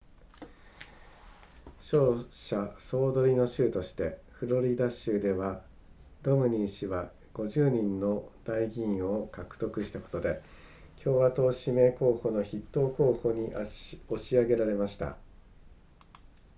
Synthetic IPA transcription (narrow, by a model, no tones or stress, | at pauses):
ɕo̞ːɕaso̞ːd̪o̞ɾʲino̞ɕɨːt̪o̞ɕi̥t̪e̞ | ɸɯ̟ɾo̞ɾʲid̪aɕɨːd̪e̞βa | ɾo̞mɯ̟ɲ̟ĩɰɕiβa | ɡ̥o̞ʑɨːɲ̟ĩnːo̞d̪̥aiɡʲĩo̞kakɯ̟̥t̪o̞kɯ̟ɕi̥t̪ako̞̥t̪o̞d̪e̞ | kʲʰo̞ːβat̪o̞ːɕime̞ːko̞ːho̞ːno̞çit̪ːo̞ːko̞ːho̞ːɲ̟io̞ɕiaɡe̞ɾaɾe̞maɕi̥t̪a̰